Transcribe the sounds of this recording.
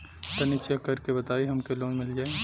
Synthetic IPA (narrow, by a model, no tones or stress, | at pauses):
t̪ɐnɪt͡ʃekːɐɾkebɐt̪aːiɦɐmkeloːnmɪld͡ʒaːe